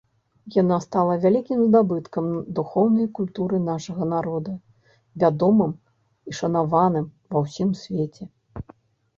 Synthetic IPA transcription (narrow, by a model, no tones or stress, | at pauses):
janast̪alˠɐvʲalʲikʲimzd̪abɨt̪kɐmd̪uxɔwnɐjkulʲt̪uɾɨnaʂɐɣɐnaɾɔd̪ɐ | vʲad̪ɔmɨm | iʂɐnavanɨmvɐwsʲimsʲvʲet͡sʲɛ